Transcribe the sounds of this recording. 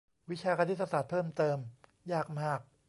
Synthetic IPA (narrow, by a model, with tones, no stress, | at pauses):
wi˦˥t͡ɕʰaː˧kʰa˧t̪ʰi˦˥t̪ːa˧saː˨˩t̪̚pʰɤː˥˩mt̪ɤː˧m | jaː˥˩k̚maː˥˩k̚